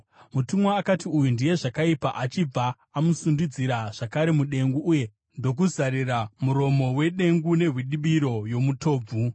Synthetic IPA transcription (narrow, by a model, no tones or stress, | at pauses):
mutumwaːkatiujundije̞ʐakaipa̰ʔat͡ʃib͡va | amusundud͡ziɾaʐ̥akaɾe̞muɗe̞ŋɡuːje̞ | ndo̞k̬uzaɾiramuɾo̞mo̞we̞ɗe̞ŋɡune̞ɦwiɗiɓiɾo̞jo̞mutʰo̞ːb͡vu